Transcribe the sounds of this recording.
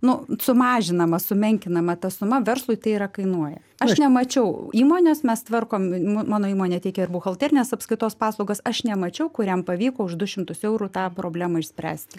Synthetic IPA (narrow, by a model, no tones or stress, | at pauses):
nʊsʊmɑːʒʲɪnɐmɐsʊmʲɛŋʲkʲɪnɐmɐt̪ɐsʊmɐʋʲɛrslˠʊɪt̪ɐɪiɾɐkɐɪnuɔjɛ̰ | ɐʃnʲɛmɐt͡ʃʲɛʊiːmoːnʲeːsmʲɛst̪ʋɐrkoːmmmɑːnoːiːmoːnʲeːt̪ʲɛɪkʲɛɪrbʊːxɐlˠʲt̪ʲeːɾʲɪnʲesɐpskɾɪt̪oːspɑːslˠɐʊɡosɐʃnʲɛmɐt͡ʃʲɛʊkʊɾʲɛmpɐʋʲiːkoːʊʒd̪ʊʃʲɪmt̪ʊsɛʊɾut̪ɑːpɾoːbʲlʲæːmɐɪʃʲsʲpʲɾʲæ̰ːsʲt̪ʲɪ